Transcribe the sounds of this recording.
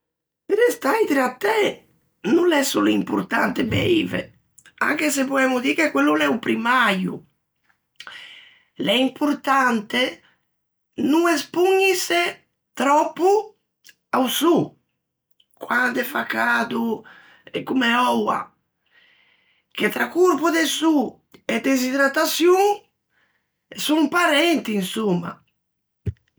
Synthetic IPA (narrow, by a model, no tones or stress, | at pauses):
peɾest̪ajt̪ɾat̪ːɛ | nulɛsuleimpṵɾt̪ant̪ebḛivḛ | a̰ŋkes̬epɔɛmud̪iːkekːwelːulɛupɾimajṵ | lɛimpʰuɾt̪ant̪e | nuŋɛspuɲːise | t̪ɾɔpːu | awsu | kwand̪efakad̪u | ɛkumeɔwa̰ | k̟et̪ɾakuɾpud̪esu | ed̪ezid̪ɾat̪asjuŋ | suŋpaɾɛnt̪iinsumːa̰